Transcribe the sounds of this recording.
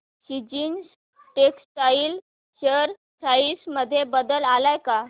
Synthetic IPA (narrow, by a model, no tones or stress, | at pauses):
ɕid͡ʑiːns | ʈeksʈail | ɕəɾ | saisməd̪ʱːjebəd̪əlalajka